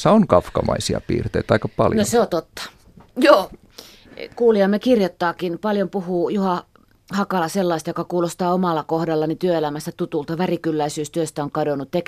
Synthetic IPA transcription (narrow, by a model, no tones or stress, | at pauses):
sːɑoŋkɑfkɑmɑisiɑ̰pḭːrt̪eit̪ɑikɑpɑljnoseot̪ot̪ːɑ̥ | joː | kuːliɑmːekirjot̪ːɑːkinpɑljompuhuːjuhɑ | hɑkɑlɑselːɑist̪jokɑkuːlost̪ɑːomɑlːɑkohdɑlːɑnit̪yøelæmæst̪æt̪ut̪ult̪ɑʋærikylːæisyːst̪yøst̪æoŋkɑdonːˑut̪t̪ek